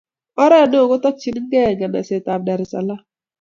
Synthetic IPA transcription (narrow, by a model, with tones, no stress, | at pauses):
ɔ˦ɾɛ˦˨no˦o˨ɡo˦tɔ˦t͡ʃi˨n˦ɡɛ˦˨ɲa˨na̰˨se˨ta˨bda˨ɾɪ˨sa̰˨la˦